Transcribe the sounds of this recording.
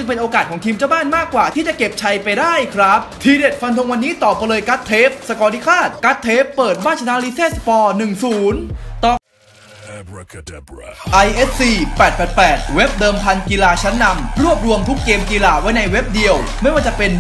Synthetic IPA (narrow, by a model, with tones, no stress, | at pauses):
t͡ɕɯ˧ŋpe˧nʔoː˧kaː˨˩t̪̚ʰɔː˩˦ŋt̪ʰiː˧mt͡ɕa˥˩wbaː˥˩nmaː˥˩kːwaː˨˩t̪ʰiː˥˩t͡ɕa˨˩ke˨˩p̚t͡ɕʰa˧jpa˧jdaː˥˩jkʰɾa˦˥p̚t̪ʰiː˧de˨˩t̪̚fʰa˧nt̪ʰo˧ŋwa˧nːiː˦˥t̪ɔː˨˩p̚ːa˧lɤː˧jka˦˥t̪ʰːeː˦˥p̚sa˧kɔː˧li˦˥kʰaː˥˩t̪̚ka˦˥t̪ʰːeː˦˥pːɤː˨˩t̪̚baː˥˩nt͡ɕʰna˦˥li˦˥seː˥˩spɔː˧nɯ˨˩ŋsuː˩˦nt̪ɔ˧ | ʔa˧jʔe˦˥t̚siː˨˩pɛː˨˩t̪̚pɛː˨˩t̪̚pɛː˨˩t̪̚we˦˥p̚dɤː˧mpʰa˧nki˧laː˧t͡ɕʰa˦˥nːa˧mɾu˥˩əp̚ɾu˧əmt̪ʰu˦˥kːeː˧mkiː˧laː˧wa˦˥jna˧jwe˦˥p̚di˧əw | ma˥˩jwaː˥˩t͡ɕa˨˩pe˧n